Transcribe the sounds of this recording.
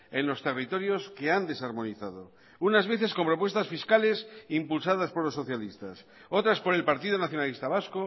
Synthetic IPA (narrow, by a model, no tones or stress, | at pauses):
e̞nlo̞st̪e̞rit̪o̞ɾjo̞ske̞and̪e̞saɾmo̞niθað̞o̞ | unazβ̞e̞θe̞sko̞mpɾo̞pwe̞st̪asfiskale̞simpulsaðaspo̞ɾlo̞sːoθjalist̪as | o̞t̪ɾaspo̞ɾe̞lpaɾt̪iðonaθjo̞nalist̪aβ̞asko